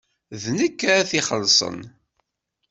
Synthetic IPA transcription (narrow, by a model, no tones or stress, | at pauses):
ðnəkːæθiχəlsˤə̰n